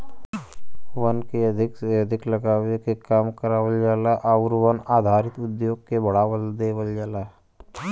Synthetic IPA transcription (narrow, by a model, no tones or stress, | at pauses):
ʋənkeɐd̪ʱɪkjəd̪ʱɪkləɡaːʋekekaːmkəɾaːʋəld͡ʒaːlaʔaʋʊɾʋənaːd̪ʱaːɾɪt̪ʊd̪joːɡ̚kebɐɽ̤aːʋəld̪eːʋəld͡ʒaːlaː